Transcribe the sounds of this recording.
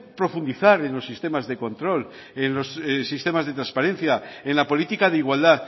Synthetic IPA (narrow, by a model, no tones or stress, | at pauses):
pɾo̞fund̪iθaɾe̞nlo̞sːist̪e̞mazðe̞kõ̞nt̪ɾo̞l | enlo̞ssːist̪e̞mazðe̞t̪ɾanspaɾẽ̞nθjaenlapo̞lit̪ikaðeiɣwald̪a